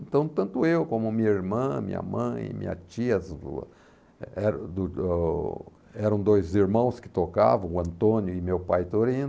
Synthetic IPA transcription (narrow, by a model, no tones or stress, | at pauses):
ẽnt̪ɐ̃w̃t̪ɐ̃nt̪ʊewkõmʊmĩɲɐiɾmɐ̃mḭ̃ɲɐ̰mɐ̰̃j̃ɪ̰mḭ̃ɲɐ̰t͡ʃiɐzṵ | ɛɾd̪ʊ | ɛɾɐ̃w̃d̪ojziɾmɐ̃w̃skɪ̥t̪oka̰vɐ̃w̃ʊɐ̃nt̪õnjʊɪmewpajt̪oɾĩn